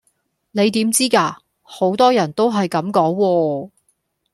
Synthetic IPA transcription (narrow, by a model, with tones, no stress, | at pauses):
ne˨˧jt̪iː˨˥mt͡siː˥kaː˧ | ho˨˥wt̪ɔː˥jɐ˨˩nt̪o˥wɦɐ˨jkɐ˨˥mkɔː˨˥ŋwɔː˧